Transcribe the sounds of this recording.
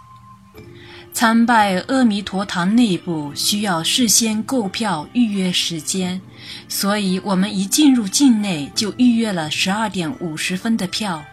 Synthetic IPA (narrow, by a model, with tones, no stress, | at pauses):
t͡sʰa˥npa˥˧ɪɤ˥˩mi˧˥t̪ʰwɔ˧˥t̪ʰɑ˧˥ŋne˥˧ɪpu˥˩ɕy˥jɑ˥˧ʊʂɻ̩˥˧ɕjɛ˥nko˥˧ʊpʰjɑ˥˧ʊy˥˧ɥɛ˥˩ʂɻ̩˧˥t͡ɕjɛ˥n | swɔ˧˥i˨˧˥wʔɔ˨˩mə˦ni˧˩˥t͡ɕi˥˧nɻu˥˧t͡ɕi˥˧nne˥˩ɪt͡ɕjo˥˧ʊʔy˥˧ɥɛ˥˩lə˩ʂɻ̩˧˥ɐ˞˥˩t̪jɛ˧˥nu˨˩ʂɻ̩˧˥fə˥nd̪ə˨pʰjɑ˥˩ʊ